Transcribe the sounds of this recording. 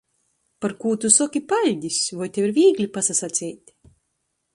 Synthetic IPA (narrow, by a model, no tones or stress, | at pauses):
paɾkuːt̪usɔkʲipalʲd̪ʲisʲvɔjt̪ʲeviɾvʲiːɡlʲipasasat̪sʲɛjt̪ʲ